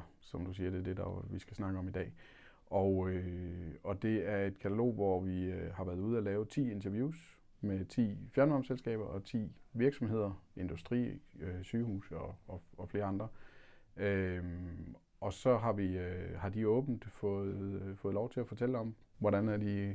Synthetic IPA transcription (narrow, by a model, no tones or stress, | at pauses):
sɒ̽md̥us̬iːɐd̥e̝d̥e̝d̥ɑʋisɡ̥æsnɑ̈ɡ̥əɒ̽mid̥ɛ̰ː | ʔɒʊø | ɒ̽d̥e̝æɐe̝d̥kʰæt͡sʰælo̝̰ːʋɒʋihɑ̈ʋæːɐð̞ˠuːð̞̩ˠælɛːʊt͡sʰḭːe̝nt͡sʰɐʋjuːs | met͡sʰḭːfjæɐnʋɑ̈mselsɡ̥ɛ̰ːb̥ɐʔɒ̽t͡sʰḭːʋiɐɡ̥sɒ̽mɦe̝ð̞̰ˠɐe̝nd̥usd̥ʁḭːøsyːhṵːsɒ̽ːɒfle̝ːɐɑ̈nd̥ʁɐ | øm | ʔɒ̽sɒ̽ɦɑ̈ʋihɑ̈d̥iɔ̽ːb̥n̩d̥fɔð̩ˠfɔ̽ːð̩ˠlɒʊt͡sʰe̝læfɒ̽t͡sʰelɒ̽m | ʋɒɾænæɐd̥i